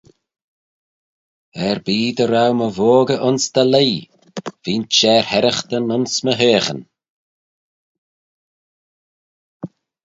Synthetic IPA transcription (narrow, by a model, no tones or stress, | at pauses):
ɛɹbiːd̪əɾawməvoːɡəʔʊnsd̪̥əleː | v̥iːnt͡ʃɛːɹhɛɾəxt̪ənʊnsməɦeːxə̰n